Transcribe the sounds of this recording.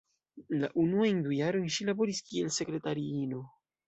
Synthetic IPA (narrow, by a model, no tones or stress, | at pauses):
laʔunuajndujaɾo̞jnʃilabo̞ɾiskie̞lse̞kɾe̞taɾiino̞